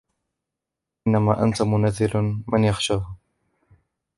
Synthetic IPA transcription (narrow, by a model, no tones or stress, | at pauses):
ʔɪnːamaːʔa̰nt̪amʊnazːɪlmɪnjaxʃaːh